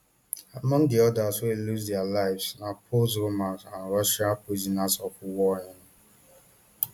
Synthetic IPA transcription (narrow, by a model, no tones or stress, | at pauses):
amɔ̃ŋdɪɔdasweluzdealaɪvsnapʰolzɾomaknaɾɔʃakezinasɔkʷʊwɔɲɪn